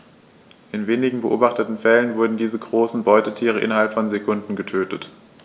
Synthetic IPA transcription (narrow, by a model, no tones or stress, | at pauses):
ʔɪnveːnɪɡŋ̩bəʔo̰ːbaχtətn̩fɛlənvʊɐdn̩diːzəɡʁoːsn̩bɔʏtətʰiːʁ̞əʔɪ̰nɐɦalpfɔnzekʰʊndn̩ɡətʰøːtət